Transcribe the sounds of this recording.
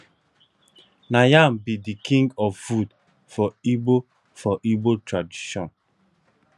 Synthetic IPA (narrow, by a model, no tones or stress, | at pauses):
najambidikʰĩŋɡɔffud | fɔibo | fɔʔibotɹadiʃɔ̃n